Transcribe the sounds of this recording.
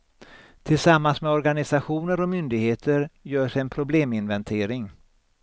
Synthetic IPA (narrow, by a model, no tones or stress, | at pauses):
t̪ʰɪlsamːansmɛɔɾɡanɪsaɧuːnəɾɔmʏnd̪ɪɡheːt̪ʰəɾjœːʂɛjɛnpʰɾʊbleːmɪnvɛnt̪ʰeːɾɪŋ